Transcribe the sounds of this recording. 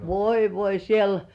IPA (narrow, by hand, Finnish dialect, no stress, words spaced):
ʋoi ʋoi siel